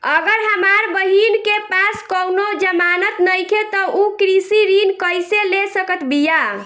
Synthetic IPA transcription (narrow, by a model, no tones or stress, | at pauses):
əɡəɾɦəmaɾbəɦinkepaskəwnod͡ʒəmanət̪nəjkʰet̪ɔukɾisiɾinkəjselesəkət̪bija